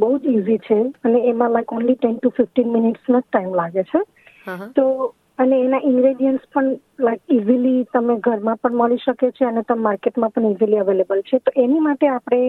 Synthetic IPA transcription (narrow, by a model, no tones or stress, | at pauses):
bəɦud͡ʒizit͡ʃʰeəneːmãlaɪjkonliʈɛnʈufɪfʈinmɪnɪʈsmãd͡ʒʈaimlaɡet͡ʃʰe | t̪o | əneːnaʔɪ̃ŋɡɾeɖijəɳʈspəɳ | lajkizilit̪əmeɡʱəɾmãpəɳməliʃəket͡ʃʰeənet̪əmaɾkeʈmãpəɳiziliəʋelebəlt͡ʃʰet̪oʔenimaʈeapɽ̃e